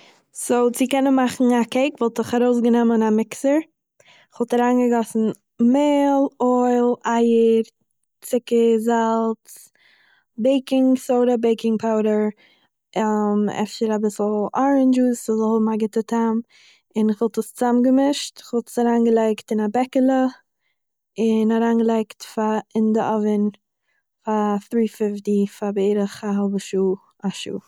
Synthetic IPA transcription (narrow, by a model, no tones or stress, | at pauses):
soʊt͡sɪkɛnənmaχn̩akeɪkvɔlˠtɪχaɾoʊs̬ɡənɛmənamɪksəɾ | ɪχvɔlˠtaɾaːnɡəɡɔsn̩ | meːlˠɔɪlˠaɪəɾ | t͡sɪkəzalˠt͡s | beɪkɪŋsoʊɾəbeɪkɪŋpʰaʊɾəɾ | mɛ̰fʃəɾabɪsl̩ˠɔɾənd͡ʒusɪzhɔbmaɡɪtətʰam | ɪnɪχvɔlˠtəst͡samɡəmɪʃtɪ̥χvɔlˠtə̥saɾaːnɡəlˠaɪktɪnabɛkəlˠə | ɪnaɾaːnɡəlˠaɪktfaɪndəʔɔvɪn | faθɾiːfɪftifabeɪɾəχaɦɔlˠbəʃuː | aʃṵː